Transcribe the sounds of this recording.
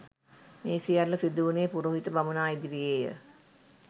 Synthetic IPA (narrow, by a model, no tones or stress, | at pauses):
meːsijalːəsid̪uːneːpuɾoɦit̪əbamunaːid̪iɾijeːjə̰